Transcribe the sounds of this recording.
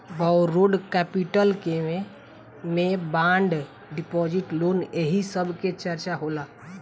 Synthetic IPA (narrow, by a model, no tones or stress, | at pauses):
bawɾoɖkɛpiʈəlkeme | mẽbãːɳɖ | ɖipɔːd͡ʒɪʈloːneɦisəbʱket͡ʃəɾt͡ʃaɦola